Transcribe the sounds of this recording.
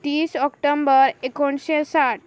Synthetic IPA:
t̪iːsɔkʈombəɾekoɳɕesaʈ

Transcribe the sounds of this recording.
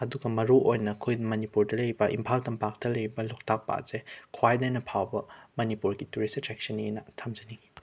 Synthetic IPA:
ɐduɡɐmɐɾuʔojnɐkʰujmɐnipuɾdɐlɐjbɐʔḭmpʰaltɐmpak̚tɐlɐjbɐluk̚tak̚pa̰zekʰwajdajnɐpʰawbɐmɐnipuɾɡituɾistɾɛk̚sɐnenɐtʰɐmzini

